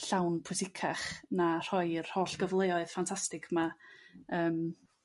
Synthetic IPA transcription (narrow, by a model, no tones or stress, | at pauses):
ɬawnpʰʊsɪkʰaχnar̥ɔjr̥hoːɬɡ̥əvlˠejɔɨð̥fantʰastɪkʰma | əːm